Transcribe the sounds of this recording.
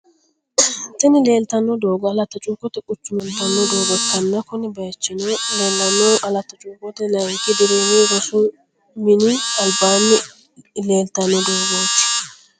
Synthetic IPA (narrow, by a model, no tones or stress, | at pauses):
t̪ɛnɪle̞ːlt̪ɐnːɔd̪oːɡɔɐlɐt̪ːɐt͡ʃʼuːkʼːɔt̪ɛkʼʊt͡ʃːʊmɔnt̪ɐnːɔd̪oːɡɔtːɐnːɐkɔnɪbɐjt͡ʃːɪnɛleːlːɐnːɔʔɐlɐt̪ːɐt͡ʃʼuːkʼːɔt̪ɛnɐɪt̪ːɪd̪ɪd̪oːɡiɡɔsʊ | mɪnɪɐlbaːnːɪ | le̞ːlt̪ɐnːɔd̪oːɡoːt͡ʃː